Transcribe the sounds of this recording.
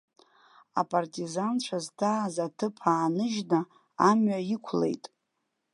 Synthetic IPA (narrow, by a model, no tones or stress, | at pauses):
a̰pʼartʼizant͡ʃʷʰaztʰaːzatʰɨpʰaːnɨʒna | amɥaikʷʰlḛjtʼ